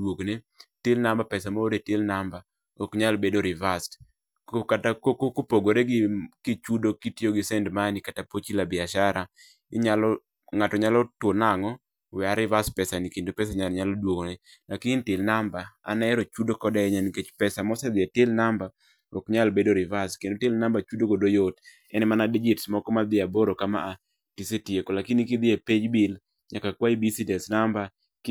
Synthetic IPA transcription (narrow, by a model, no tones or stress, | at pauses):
dwokne | tɪlnambapɛsamoodetelnamba | okɲalbedoɾɪvast | okatakokokopoɡoɾeɡɪkit͡ʃudokitjoɡɪsɛndmanikatapot͡ʃilabɪaʃaɾa | ɪɲalɔ | ŋatɔɲalɔtwonaŋɔ | wɛaɾɪvast̚pɛsanikindopɛs̬aɲalɲalɔdwokne | nakintɪlnambaa̰nɛɛɾot͡ʃudokɔdaɛɲaniket͡ʃpɛsamɔsɛd̪ɪatelnamba | okɲalbedoɾɪvaskendotelnambat͡ʃudoɡodojot | ɛnɛmanadid͡ʒɪtsmɔkɔmad̪ɪaboɾokama̰ʔa | tisetiekɔlakinikid̪ɪeped͡ʒbɪl | ɲakakwaibisidɛsnamba | k